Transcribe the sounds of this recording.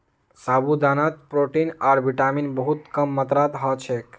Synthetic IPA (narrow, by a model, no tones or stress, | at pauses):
sabud̪anat̪̚pɾoʈinaɾbiʈaminbəɦut̪kəmːət̪ɾat̪ɦɔt͡ʃʰek